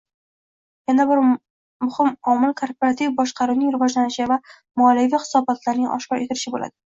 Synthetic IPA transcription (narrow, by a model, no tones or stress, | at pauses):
janabɪɾ | mʊhɪmɒmɪlˠkʰoɾpoɾat̪ʰivbɒʃqʰɑɾuwnɪŋɾɪvɒd͡ʒlanɪʃɪva | mɒlɪvijχɨ̥sɒbɒt̪ʰlaɾnɪŋʔɒ̰ʃkɒɾʔe̞t̪ʰɪɾɪʃɪbola̰d̪ɪ